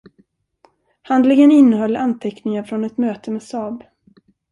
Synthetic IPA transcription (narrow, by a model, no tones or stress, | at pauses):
hand̪lɪŋənɪnːəɦœlːant̪ʰɛknɪŋaɾfɾɔnɛt̪møːt̪əmeːsɑːb